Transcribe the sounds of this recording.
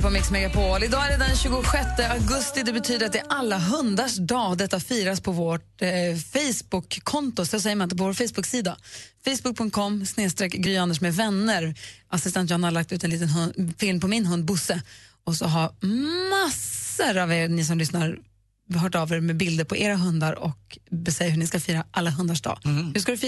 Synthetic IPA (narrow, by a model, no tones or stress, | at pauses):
pɔmɪksmɛɡapʰolɪd̪ɑːæɾɛd̪ɛnɕʉːɡʊɧɛt̪ːəʔaɡɵst̪ɪd̪ɛbɛt̪ʰyːd̪əɾat̪ɪʔalːaɦɵnd̪aʂd̪ɑːd̪ɛt̪ːafiːɾaspʰɔvoːʈfɛjsbʊkʰːɔnt̪ʊsɔsɛjːəmanɪnt̪əp̬ɔvoːɾfɛjsbɵksiːd̪afɛjsbɵk̚pʰɵŋt̪̚kʰɔmːsneːst̪ɾɛkːɡɾyːand̪əʂmɛvɛnːəɾʔasɪst̪ɛnt̪jɑhanalak̚t̪ʉ̟ːt̪ɛnliːt̪ənɦɵnfɪlmpʰɔmɪnɦɵnd̪̚bʊsːə | ɔsɔɦaɾmasəɾaveːɾnɪs̬ɔmlʏsnaɾ | ɦœːʈɑvɛɾmɛbɪld̪əɾpʰɔʔeːɾaɦɵnd̪aɾɔ̰kbɛsɛjəɾɦɵɳɪskafiːɾaʔalːaɦɵnd̪aʂd̪ɑ̰ːhʉskad̪ɵfiː